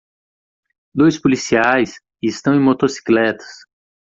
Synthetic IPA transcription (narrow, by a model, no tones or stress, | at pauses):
d̪ojspolisiajs | ɪst̪ɐ̃w̃ẽj̃mot̪osi̥klɛt̪ɐ̥s